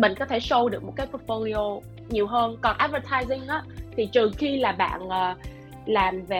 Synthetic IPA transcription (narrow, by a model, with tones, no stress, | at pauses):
mï˧˨ŋ̟kɔ˨˦t̪ʰe˧˩sə˧wɗɨ˨˩ək̚mo˨˩t̚kaː˨˦jpu˦˥t̚fo˧li˧o˧ | ɲi˨˩əwɦəː˧nkɔ˨˩nʔaː˦˥t̚və˧t̪ʰaː˧jzï˧ŋʔaː˨˦˥t̪ʰi˨˩t͡ɕɨ˨˩xi˧laː˨˩ɓa̰ː˧˨nʔəː˨˩ | laː˨˩mve˨˩